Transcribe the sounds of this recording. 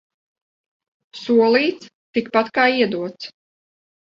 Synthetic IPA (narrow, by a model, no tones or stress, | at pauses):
suɔlˠiːt̪st̪ikpat̪kaːiɛd̪uɔt̪s